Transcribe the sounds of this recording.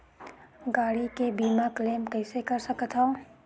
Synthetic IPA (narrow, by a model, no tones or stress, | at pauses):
ɡaːɽikebiːmakleːmkɛːsekɐɾsəkət̪ʰɦoː